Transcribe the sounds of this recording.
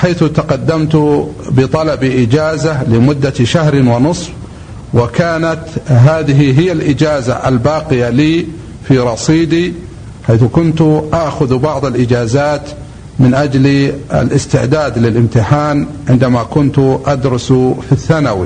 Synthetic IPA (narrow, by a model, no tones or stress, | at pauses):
ħaːθʊt̪aqɑd̪ːamt̪ʊbɪt̪ˤɑlɑbiʔɪd͡ʒaːzalɪmʊd̪ːaʃaɦɾɪnwɪnɨsˤf | wɪkaːnat̪ɦaːðɪɦiɦɪjːalʔɪd͡ʒaːza̰ʔa̰lbaːqɪjaliː | fiɾˤɑsˤiːd̪i | ħaːθʊkʊnt̪ʔaʔxʊðbɑʕðˤalʔɪd͡ʒaːzaːt̪ | mɪnʔad͡ʒlia̰lʔɪst̪ɪʕd̪aːd̪lɪlʔɪmt̪ɪħaːn | ʕɪnd̪amakʊnt̪ʔad̪ɾʊsfiθːanawḭ